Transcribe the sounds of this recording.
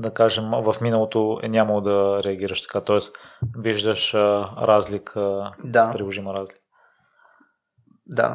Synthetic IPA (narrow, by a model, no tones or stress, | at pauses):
d̪ɐkaʒɛmvɐfminəlˠot̪oɛ̰nʲaməlˠod̪ɐɾɛɐɡ̟iɾəʃt̪ɐ̥kat̪ɔɛsviʒd̪əʃɾazlikʰəd̪apɾilˠoʒiməɾazlikk | d̪a̰